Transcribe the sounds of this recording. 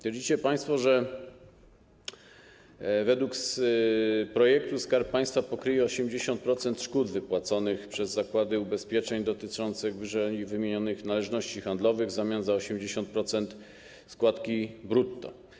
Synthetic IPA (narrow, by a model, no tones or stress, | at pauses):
t̪ʲeɾd͡ʑit͡ɕɛpaj̃st̪fɔʐɛ | vɛd̪wuks | pɾɔjɛk̚t̪uskaɾppːaj̃st̪fapɔkɾɘjɛɔɕɛmd͡ʑeɕɔnt̪̚pɾɔt̪sɛnt̪ʂkud̪vɘpwat̪sɔnɘxpʂɛzːakwad̪ɘubɛspʲjɛt͡ʂɛɲd̪ɔt̪ɘt͡ʂɔnt̪sɘɣvʐɛɲivɘmʲjeɲɔnɘxnalɛʐnɔɕt͡ɕixand̪lɔvɘɣzamʲjanzaɔɕɛmd͡ʑeɕɔ̃nt̪̚pɾɔt̪sɛnt̪ | skwat̪kʲibɾut̪ːɔ̰